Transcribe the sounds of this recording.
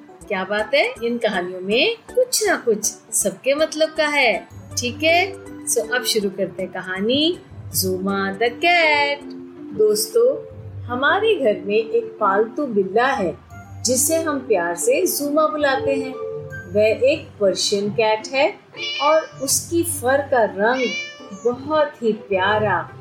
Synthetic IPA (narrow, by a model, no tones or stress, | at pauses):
kjaːbaːt̪ɦɛɪnkɐɦaːnijõmẽkʊt͡ʃʰnakʊt͡ʃʰsɐb̚kemɐt̪ləb̚kaɦɛːʈʰiːkɦɛsoʔɐbʃʊɾukɐɾt̪ẽɦɛ̃kɐɦaːni | zuːmad̪ɐkɛːʈ | d̪oːst̪õ | hɐmaːɾeɡʱɐɾmẽʔeːk̚paːlt̪ubɪlːaɦɛː | d͡ʒɪseɦɐmpjaːɾsezuːmãbʊlaːt̪eɦɛ̃ːʋɛʔeːk̚pɐɾʃənkɛːʈɦɛ | ɔːɾʊskifɐɾkaɾɐ̃ŋɡ | bɔɦɔt̪ɦipjaːɾaː